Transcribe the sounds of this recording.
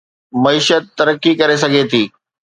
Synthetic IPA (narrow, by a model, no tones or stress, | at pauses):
mɐiːʃət̪̚ːɐɾəkːikɐɾes̬ɐɡʱet̪ʰiː